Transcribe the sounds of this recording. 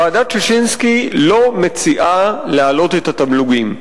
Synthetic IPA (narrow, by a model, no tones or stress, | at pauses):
aːdat͡ʃeʃinskilo̞met͡siʔalealo̞t̪e̞t̪at̪amluɡim